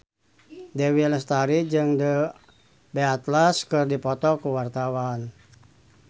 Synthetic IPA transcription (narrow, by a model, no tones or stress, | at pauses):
dɛwiləst̪aɾid͡ʒɨŋdə | bɛat̪laskɨrdipɔt̪ɔkuwart̪awan